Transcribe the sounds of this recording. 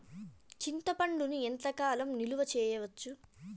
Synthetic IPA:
t͡ʃint̪ɐpɐɳɖunient̪ɐkaːlɐmniluʋɐt͡ʃɛːjɐʋɐt͡ʃːu

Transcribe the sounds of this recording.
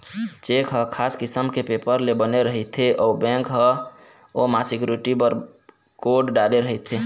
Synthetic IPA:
t͡ʃekɦəkʰaːskɪsəmkepeːpəɾlebəneɾəɦit̪ʰeʔɔːbɛ̃ŋkɦə | omasɪkjuɾiʈipəɾ | koɖɖaleɾəɦɛt̪ʰe

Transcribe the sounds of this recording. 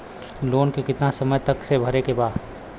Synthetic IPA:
loːnkekɪt̪nasɐməjt̪ɐksebʱɐɾekebaːd̪

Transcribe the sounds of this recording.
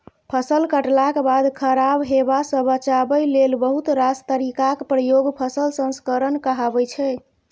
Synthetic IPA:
pʰəsəlkəʈlakbad̪kʰəɾabɦebasə̃bət͡ʃabəjlelbəɦut̪ɾast̪əɾikakpɾəjoɡpʰəsəlsə̃nskəɾənkəɦabɛt͡ʃʰɛ

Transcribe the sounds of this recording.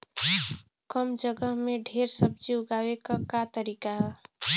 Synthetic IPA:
kəmd͡ʒəɡəɦmeɖʱeːɾsəb̚d͡ʒiʊɡaːwekakat̪əɾiːkaɦɛ

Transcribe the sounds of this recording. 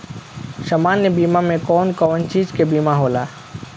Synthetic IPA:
ʃɐmaːnːjebiːmamẽkɔːnkɔːnt͡ʃiːd͡ʒkebiːmaɦoːlaː

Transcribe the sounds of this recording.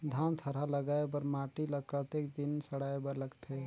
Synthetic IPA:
d̪ʱant̪ʰəɾaləɡaebəɾmaʈiləkət̪ekd̪insəɽaebəɾləɡt̪ʰe

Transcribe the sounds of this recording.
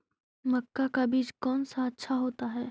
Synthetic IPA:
mɐkːakabiːt͡ʃkɔːnsaɐtːʃʰaɦoːt̪aɦɛː

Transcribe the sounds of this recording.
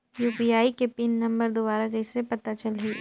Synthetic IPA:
juːpiaːikepɪnːɐ̃mbəɾd̪obaːɾakɐɪsɾepɐt̪at͡ʃɐlɦiː

